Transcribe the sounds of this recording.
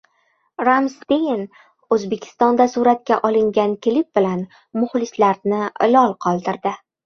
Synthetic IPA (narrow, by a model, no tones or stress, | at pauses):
ɾamst̪ejɪn | ɵzbe̞kʲʰɪ̥st̪ɒnd̪asuɾat̪̚kʲaʔɒlˠɪŋɡʲankʲɪlɪp̚bɪlan | mʊχlɪslaɾnɪlɒlˠqʰɒlˠd̪ɪɾd̪ɪ